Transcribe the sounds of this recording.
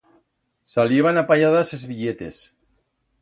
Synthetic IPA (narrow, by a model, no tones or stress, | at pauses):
saleβanapaʎaðasezβiʎet̪ḛs